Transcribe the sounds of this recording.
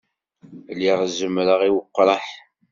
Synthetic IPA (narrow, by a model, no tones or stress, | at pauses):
liʁzəmɾəʁiwəqːɾˤɑħ